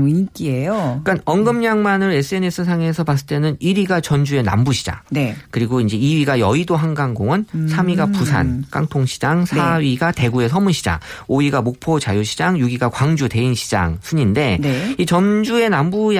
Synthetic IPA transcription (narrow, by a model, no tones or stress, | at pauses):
k͈iejoik͈anʌŋɡɯmɲaŋmanɯɾe̞s͈ʰɯe̞ne̞s͈ʰɯsʰaŋe̞s̬ʰʌpas͈ɯ̥t͈e̞nɯniɾiɡat͡ɕʌnd͡ʑue̞na̰mbuɕʰi̥d͡ʑa̰ŋnekɯɾiɡoind͡ʑe̞iɥiɡajʌidoɦanɡaŋɡoŋɯnsʰamiɡapusʰa̰nk͈a̰ŋtʰoŋɕʰi̥d͡ʑaŋsʰaɥiɡate̞ɡue̞sʰʌmuɕʰid͡ʑa̰ŋ | oiɡamok̚pʰot͡ɕajoɕʰid͡ʑaŋjuɡiɡakwaŋd͡ʑute̞inɕʰi̥d͡ʑa̰ŋsʰɯɲinde̞nit͡ɕʌnd͡ʑue̞nambuj